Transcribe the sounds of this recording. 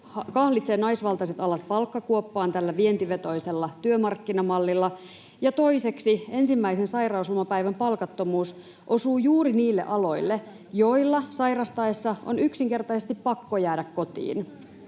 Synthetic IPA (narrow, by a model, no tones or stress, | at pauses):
hɑkɑhlit̪seːnɑisʋɑlt̪ɑiset̪ɑlɑt̪̚pɑlkːɑkuopːɑːnt̪ælːæʋient̪iʋet̪o̞iselːɑt̪yømɑrkːinɑmɑlːilːɑ | jɑt̪o̞ise̞ksie̞nsimːæisensɑirɑuslmɑpæiʋæmpɑlkɑt̪ːomuːs | ʔo̞suːjuːriniːlːḛʔɑlo̞ilːe | jo̞ilːɑsɑjrɑst̪ɑesːɑo̰nyksiŋke̞rt̪ɑise̞st̪ippɑkːojæːdækko̞t̪ḭːn